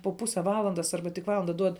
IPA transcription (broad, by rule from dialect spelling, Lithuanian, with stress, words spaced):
poː ˈpʊsʲɛ ˈʋɑːlˠɐndɐs ˈɐrbɐ tʲɪk ˈʋɑːlˠɐndɐ ˈduɔt